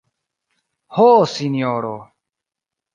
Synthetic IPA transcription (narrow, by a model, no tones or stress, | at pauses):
hoːsinijoːɾoː